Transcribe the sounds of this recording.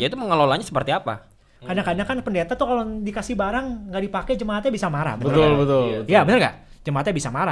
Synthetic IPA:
ait̪uməŋəlolaɲasə̥pərt̪iapa̰ | kadakadakanpəndet̪at̪ukalodikasihbaɾaŋɡaʔdipakɛd͡ʒəmaɦat̪̚ɲabisamaɾa̰hbənəəʊlbət̪ʊljabənərka̰ʔ | d͡ʒəmaɦat̪̚ɲabisamaɾa

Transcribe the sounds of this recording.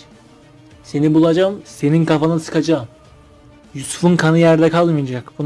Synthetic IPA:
se̞nibulˠad͡ʒamse̞ninkʰafanɯnsɯ̥kad͡ʒaːm | jusu̥funkʰanɯjæɾd̪ɛkʰalˠmɯjad͡ʒakbun

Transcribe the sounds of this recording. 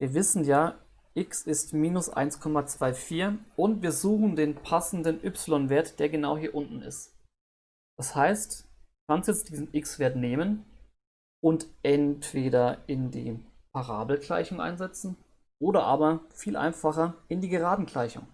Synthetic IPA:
viːɐvɪsn̩jaː | ʔɪksɪstmiːnʊsʔa̰ɪnskʰɔmat͡sv̥aɪfiːɐʔʊntv̥iːɐzuːxn̩deːnpʰasn̩dənʔʏpsɪlɔnveːɐtd̥eːɐɡənaʊhiːɐʔʊntn̩ɪ̰st | d̥ashaɪstː | kʰansjɛt͡std̥iːzn̩ʔɪksv̥eːɐtneːmən | ʔʊntʔɛntv̥eːɾɐɪndḭːpʰaʁa̰ːbl̩kla̰ɪçʊŋʔa̰ɪnzɛt͡sn̩ | ʔoːɾɐʔa̰ːbɐfiːlʔa̰ɪnfaχɐɪndiːɡəʁaːdn̩kl̥aɪçʊ̰ŋ

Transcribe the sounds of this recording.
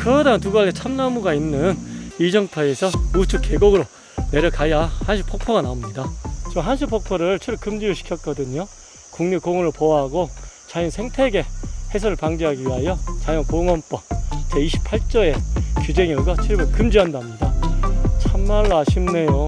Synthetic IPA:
kɯɾʌdant̬uɡalet͡ɕʰamnamuɡainːɯnid͡ʑʌŋtʰʌe̞sʰʌut͡ɕʰuke̞ɡoɡɯɾo | ne̞ɾjʌkʰajahanɕʰu̥pʰok̚pʰʌɡanaomɲidat͡ɕiɦansʰupʰok̚pʰʌɾɯɭt͡ɕʰibukɯmd͡ʑiɾoɕʰi̥kʰjʌt̚k͈ʌdɯɲo | kuŋɲikoŋʌɾɯɭpoaɦaɡot͡ɕajʌnsʰe̞ŋtʰe̞ɡe̞he̞sʰʌɾɯɭpaŋd͡ʑeɦaɡiɥiɦajot͡ɕajʌnkoŋʌnp͈ʌt͡ɕʰeiɕʰi̥pʰaɭt͡ɕ͈ʌe̞kjud͡ʑe̞ŋʌɭɡʌt͡ɕʰiɭbɯkɯmd͡ʑiɦandamɲidat͡ɕʰamːaɭːoaɕʰimne̞jo

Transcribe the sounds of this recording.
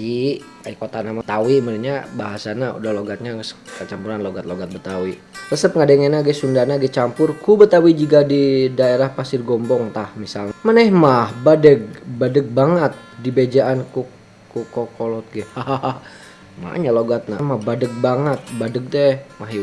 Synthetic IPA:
i | aikot̪anamat̪awiməɾiɲabaɦasanaṵdahloɡat̪̚ɲaskət͡ʃampuɾanloɡat̪̚loɡat̪̚bət̪awi | rəsəp̚ŋadeŋɛnaɡɛsundanaɡɛt͡ʃampʊrkubət̪awid͡ʒiɡadidaeɾahpasɪrɡɔmbɔŋt̪ahmisalɲamanɛhmahbadəɡ̚badəɡ̚baŋət̪̚dibed͡ʒaʔanku | kukɔkolɔt̪̚ɡɛhaa | ma̰ɲaloɡat̪̚namahbadəɡ̚baŋət̪̚badəɡ̚t̪ɛmaɦi

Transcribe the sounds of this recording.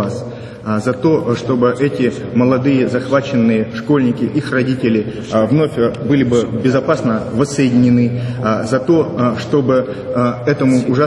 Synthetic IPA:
as | zɐt̪o̞ʂt̪o̞bɨʔɛtʲɪ | məlˠɐd̪ɨjəzɐxvat͡ɕɪnːɨjəʂko̞lʲnʲɪkʲɪʔixrɐdʲitʲɪlʲɪ | vno̞fʲbɨlʲɪbɨbʲɪzɐpasnəvəsːəjɪdʲɪnʲɪnɨzɐt̪o̞ʂt̪o̞bɨ | ɛt̪əmʊːʐa

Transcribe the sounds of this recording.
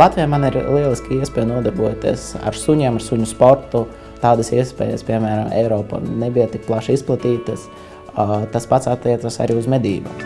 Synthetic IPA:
lˠat̪ʋijamaniɾlˠiɛlˠiskiiɛspɛːjnuɔd̪aɾbuɔt̪iɛsa̰ɾsuɲaːmaɾsuɲuspɔɾt̪u | t̪ɑːd̪əsiɛspɛ̰ːjə̰spʲiɛmæːɾamɛ̰jɾɔːpa̰nebijat̪ik̚plˠaʃisplˠat̪iːt̪əs | t̪aspat̪sat̪ːiɛt̪sasa̰ɾiːuzmɛd̪ʲiːbu

